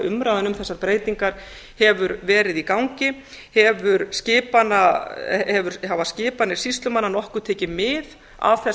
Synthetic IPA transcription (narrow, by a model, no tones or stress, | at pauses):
ʏmɾaðanʏmθɛsːaɾpɾeːjt̪iŋkaɾ̥ | hɛvʏɾvɛːɾɪðikawŋcɪ | hɛvʏɾscɪːpanːahɛvʏɾ̥havascɪːpanɪɾ̥sist̪lʏmanːanɔhkʏt̪ʰɛːcɪmɪð | a̰v̥θɛ